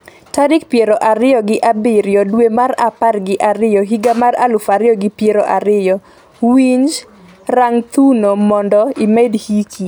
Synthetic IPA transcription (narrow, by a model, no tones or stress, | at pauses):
taɾɪkpjeɾoʔaɾɪjɔɡɪʔabɪɾjɔdwemaraparɡɪʔaɾɪjɔɦiɡamaɾa̰lʊfaɾɪɔɡɪpjeɾoʔaɾɪjɔ | wiɲd͡ʒ | raŋt̪unomɔndɔimɛdhikʰi